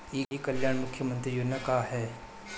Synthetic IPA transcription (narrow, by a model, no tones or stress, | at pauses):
iːiːkɐljaːɽ̃mʊkʰjəmə̃nt̪ɾijʊnɐkaɦɛː